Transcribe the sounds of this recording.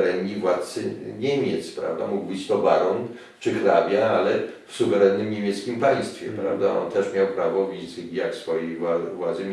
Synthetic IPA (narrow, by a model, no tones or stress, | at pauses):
ɾɛnɲivwat̪sɘɲemʲjɛt̪spɾa̰vd̪a̰muɡbɘt͡ɕt̪ɔbaɾɔn | t͡ʂɘxɾabʲjaalɛfsuvɛɾɛnːɘmɲemʲjɛt̪skʲimpaj̃st̪fʲjɛ̰pɾa̰vd̪aʔɔnt̪ɛʂmʲjawpɾavɔvʲizɡʲjaksfɔjejavwad̪zɛ